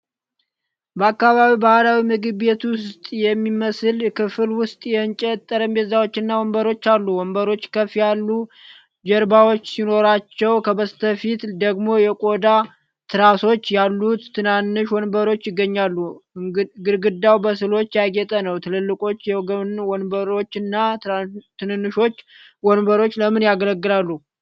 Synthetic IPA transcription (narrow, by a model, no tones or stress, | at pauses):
bəakːaβaβibahlawimɨɡɨβe̞t̪wʊst̪ʼjɛmːiməsɨlkʰɨfɨlwʊst̪ʼjɛɨnt͡ʃʼɛt̪ʼːəɾəmbezawo̞t͡ʃːɨnːawɔmbəɾo̞t͡ʃːalːuwɔmbəɾo̞t͡ʃːkʰəfijalːu | d͡ʒɛɾbawo̞t͡ʃːsino̞ɾat͡ʃːɛwkʰəbəst̪ʰəfit̪d̪əɡmo̞jɛkʼo̞d̪a | t̪ʰɨɾaso̞t͡ʃːjalːut̪ːɨnanːɨʃwɔnbəɾo̞t͡ʃːɪɡːəɲːalːu | ɡɨɾɡɨd̪ːawbəsɨlo̞t͡ʃːjaɡɛt̪ʼənəwt̪ʰɨlɨlːɨkʼo̞t͡ʃːjɛɡəwɔnbəɾo̞t͡ʃːɨnːat̪ɨnɨnːɨʃo̞t͡ʃː | wɔnbəɾo̞t͡ʃːləmɨnjaɡələɡːɨlalːu